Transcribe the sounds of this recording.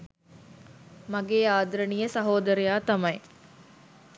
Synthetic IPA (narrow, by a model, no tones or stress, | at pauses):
mɐɡeːaːd̪ɾɐɳijəsɐɦoːd̪ɐɾejaːt̪ɐmɐj